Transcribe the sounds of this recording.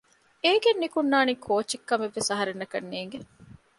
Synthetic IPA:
eːɡenːikunːaːniːkʰoːt͡ʃikːɐmeʋːesɐɦɐɾenːɐkɐnːeːŋɡe

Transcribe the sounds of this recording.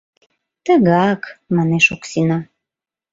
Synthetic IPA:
t̪əɣɑkmɑneʃoksinɑ

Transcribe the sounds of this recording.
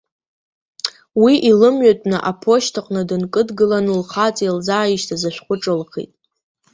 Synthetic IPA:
wiʔilɨmɥatʼnɨʔapʰo̞ʃtʰaqʼnɨdɨnkʼɨdɡɨlanɨlχat͡sʼeld͡zaːiʃtʰazaʃʷᶣχʷʊʈ͡ʂʼɨlχḛtʼ

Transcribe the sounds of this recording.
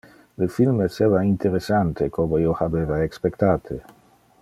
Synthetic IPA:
lefilmeseβaint̪eɾesant̪ekʰomojohabevaekspekt̪at̪ʰe

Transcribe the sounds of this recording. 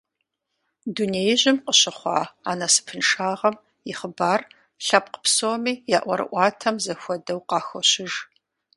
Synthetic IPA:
duneːjʑɪmqəɕɪχʷɑ̰ːaːnɐsɨ̥pʰɨnʂaːʁɐm | jɪχəbaːr | ɬɐp̚qə̥psoːmiːjaːʔʷɔ̰ɾɨ̰ʔʷɑːtʰɐmzɐxʷɔdɐwqɑːxʷɔɕɪʒ

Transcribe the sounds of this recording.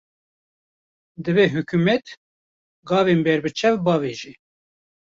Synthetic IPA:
d̪ɨveːɦɨkʰumɛt̪ | ɡɑːveːnbɛɾbɨt͡ʃʰɛvbɑːveːʒi

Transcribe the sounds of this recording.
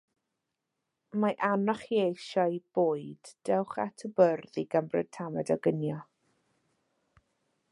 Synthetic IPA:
maʔanɔχjejʃɔɨb̥oːɨd̥ːɛwχa̰tʰəbərðiɡəmbrɛ̰d̥̚tʰamɛdɔɡənjɔ

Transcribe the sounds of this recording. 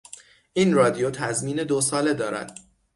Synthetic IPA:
ʔiːnrɒːd̪ijot̪ʰæzmiːne̞d̪osɒːle̞d̪ɒːɾæ̰d̪̥

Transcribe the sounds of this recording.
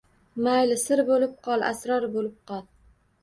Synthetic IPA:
majlɪsɪɾbolɪp̚qʰɒlˠa̰sɾɒɾbolɪp̚qɒl

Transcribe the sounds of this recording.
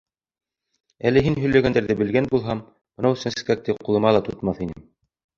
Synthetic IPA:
ælɘɦinɦɵ̆jlæɡænd̪æɾðɘbɘ̆lɡænbulˠɦɑm | bɤ̆nɑw̆sɘ̆nsɘ̥̆kæk̚t̪ɘqulˠɤ̆mɑlˠɑt̪ŏt̪mɑθinɘm

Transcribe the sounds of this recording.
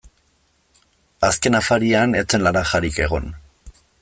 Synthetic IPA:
aske̞nafaɾianet͡se̞nlaɾaxaɾike̞ɣ̞o̞̰n

